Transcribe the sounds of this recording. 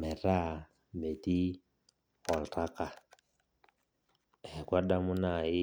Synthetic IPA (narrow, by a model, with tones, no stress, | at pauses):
mɛ˨ɾa˦˨ | mbɛ˨ti˦ | ɣɔ˨lta˦ka˨ | ɛ˨kwa˦ɗa˦mu˦na˨i˦